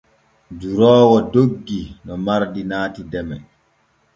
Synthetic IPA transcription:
d͡ʒuɾɔːwɔdoɡːinɔmaɾdinaːtidɛmɛ

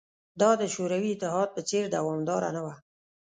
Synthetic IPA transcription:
d̪ɑd̪əʃoɾawiɪt̪ːɪɦɑd̪̚pət͡seɾd̪awɑmd̪ɑɾa̰nawa

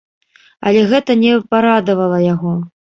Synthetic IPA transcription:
ɐ̰lʲɛɣɛt̪ɐnʲɛpaɾad̪ɐvɐlˠɐjaɣɔ

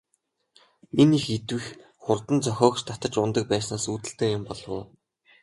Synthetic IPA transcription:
enixet̪wɘ̆x | χʊrt̪ə̆nt͡sœxʲɔːkt͡ɕt̪ʰat̪ə̆t͡ɕʊnt̪ə̆k̚pæːsnaːsuːt̪ɘ̆ɬt̪eːjʊmpɔɮwʊ̰ː

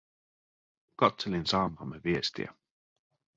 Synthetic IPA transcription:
kɑt̪selinsɑːmɑmːeʋiest̪ḭæ̰

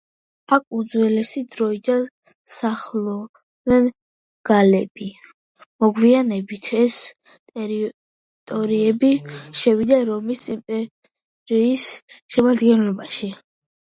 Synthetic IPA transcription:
akʰʼud̪zwɛlɛsid̪ɾɔid̪an | saχlɔ | ɛn | ɡ̥alɛb̥i | mɔɡwianɛbit̪ʰɛs | t̪ʼɛɾi | t̪ʼɔɾiɛbiʃɛwid̪aɾɔmisimpʼɛ | ɾiːsʃɛmad̪ɡɛnlɔbaʃi

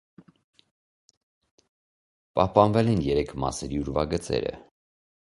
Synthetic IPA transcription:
pɑhpɑnvɛlɛnjɛɾɛkʰmɑ̰səɾiuɾvɑɡət͡sɛ̰ɾə̰

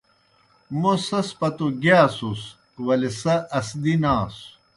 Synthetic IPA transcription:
mosɐspɐt̪uɡaːsus | wɐlesɐʔɐsd̪inaːs

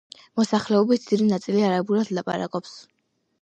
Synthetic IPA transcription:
mɔsaχlɛɔbit̪̚d̪id̪inat̪sʼiliaɾabuɾad̪lˠapʼa̰ɾa̰kʼɔps

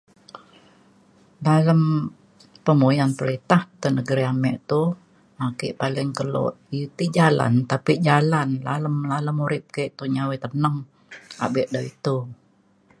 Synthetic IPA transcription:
daləm | pəmujanpəɾit̪aht̪ənəɡəɾiamɛʔt̪u | akiʔpalɪŋkəlɔ̰ʔ | it̪id͡ʒala̰nt̪apiʔd͡ʒalanla̰ləmlaləmuɾɪp̚kɛʔt̪uɲawit̪ənəŋ | a̰bɪʔdait̪u

